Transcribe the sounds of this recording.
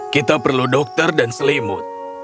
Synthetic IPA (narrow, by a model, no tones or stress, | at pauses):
kit̪apərludɔk̚t̪ərdansəlimʊ̰t̪̚